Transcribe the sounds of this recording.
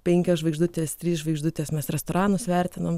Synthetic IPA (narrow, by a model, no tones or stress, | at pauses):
pʲɛŋʲkʲoːsʒʋɐɪɡʒd̪ʊt̪ʲeːst̪ʲɾʲiːsʒʋɐɪɡʒd̪ʊt̪ʲeːsmʲɛsɾʲɛst̪oːɾɑːnʊsʋʲɛɾʲt̪ʲɪnom